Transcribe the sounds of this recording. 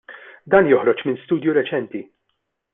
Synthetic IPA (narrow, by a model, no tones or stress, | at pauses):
d̪ɐːnjɔħɾɔt͡ʃmɪnst̪uːd̪juɾɛt͡ʃɛnt̪i